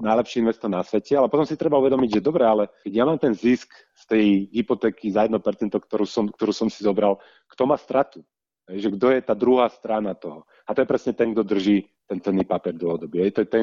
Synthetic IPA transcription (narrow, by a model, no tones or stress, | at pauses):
najlɛpʃiinʋɛst̪ɔɾnasʋɛcɛalɛpɔt̪ɔmsit̪ɾɛbauʋɛd̪ɔmiɟʒɛd̪ɔbɾɛalɛkɛɟjamaːmt̪ɛnzisk | st̪ɛjɦipɔt̪ɛːkizajɛd̪nɔpɛɾt͡sɛnt̪ɔkt̪ɔɾuːsɔmkt̪ɔɾuːsɔmsizɔbɾal | kt̪ɔmaːst̪ɾat̪u | ɦɛjʒɛɡd̪ɔjɛt̪aːd̪ɾuɦaːst̪ɾanat̪ɔɦɔ | at̪ɔjɛpɾɛsɲɛt̪ɛŋɡ̚d̪ɔd̪r̩ʒiː | t̪ɛnt͡sɛnːipapɪɛɾd̪ɔɔd̪ɔbiɦɛjt̪ɔjɛt̪ɛ